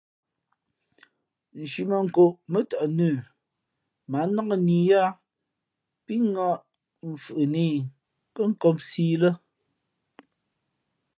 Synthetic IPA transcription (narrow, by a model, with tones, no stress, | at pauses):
n̩˨ʃi˨mə˨ŋ̩˨ko˨ʔmə˦ta˨ʔnʉ˦˨ | ma˨˦na˦kə˦˨ni˨ja˦ | pi˦ŋɔ˦ʔ | m̩˨fɯ˨ʔɨ˨ni˦˨ | kə˦ŋ̩˦kɔ˦msiː˦lə˦